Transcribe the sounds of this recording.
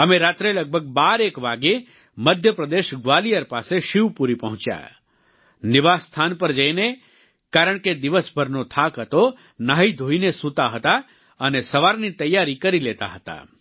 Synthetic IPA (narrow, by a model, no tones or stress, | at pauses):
əmeɾat̪ɾeləɡ̚bʱəɡ̚baɾekʋaɡe | məd̪ʱjəpɾəd̪eʃɡʋalijəɾpaseʃiʋpuɾipəɦʊ̃t͡ʃja̰ | nɪʋast̪ʰanpəɾd͡ʒəjne | kaɾəɳ̃ked̪ɪʋəsbʱəɾnot̪ʰakɦət̪o | naɦid̪ʱoinesũt̪aɦət̪a | ənesəʋaɾnit̪əjːaɾikəɾilet̪a̰ɦət̪a̰